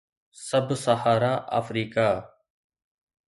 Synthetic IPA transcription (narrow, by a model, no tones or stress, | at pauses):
səbʱsahaːɾaːʔa̰ːfɾiːkaː